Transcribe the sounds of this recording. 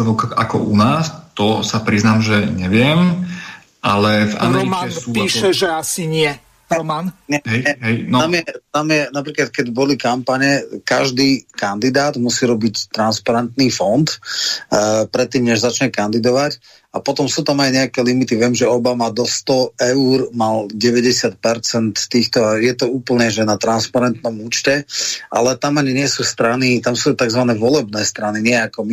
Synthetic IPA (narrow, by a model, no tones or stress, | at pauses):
ʋɔka̰kɔ̰ʔunaːst̪ɔsapɾiznaːmʒɛɲɛʋɪɛm | ʔalɛva̰mɾɔmansupiːʃɛʒɛasiɲɪɛ | ɔmanɲɛɦɛɛɦɛjnɔamjɛt̪amjɛnapɾiːklat̪̚kɛɟbɔlikampaɲɛkaʒd̪iːkand̪id̪aːd̪musiːɾɔbict̪ɾanspaɾɛnt̪niːfɔnt̪ | pɾɛt̪ːiːmɲɛʒzat͡ʃɲɛkand̪id̪ɔʋac | apɔt̪ɔmsuːt̪amajɲɛakɛlimit̪iʋɪɛmʒɛɔbamad̪ɔst̪ɔɛuːɾmalɟɛʋɛɟɛsɪat̪̚pɛɾt͡sɛnt̪t̪ːiːxt̪ɔajɛt̪ɔuːpl̩ɲɛʒɛnat̪ɾanspaɾɛnt̪nɔmuːt͡ʃcɛʔa̰lɛt̪amaɲiɲɪɛsuːst̪ɾanit̪amsut̪aɡzʋanɛːʋɔlɛbnɛːst̪ɾaniɲɪɛakɔmi